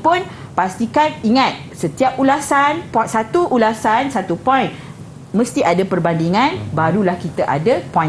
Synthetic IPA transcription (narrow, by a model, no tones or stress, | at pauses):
pʊn | past̪ikaniŋãt̪̚sət̪iap̚ulasanpsat̪uʔːlasansat̪upɔjn | mə̃st̪iʔadapərbandiŋãnbaɾulahkit̪aʔa̰dapɔ̃j̃